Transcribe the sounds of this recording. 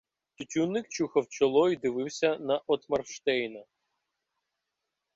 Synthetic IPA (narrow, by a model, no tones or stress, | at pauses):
t̪ʲʊtʲunːɪk̚t͡ʃuxɐwt͡ʃɔlˠɔjid̪ɪʋɪwsʲɐnɐʔɔt̪mɐrʃt̪ɛjnɐ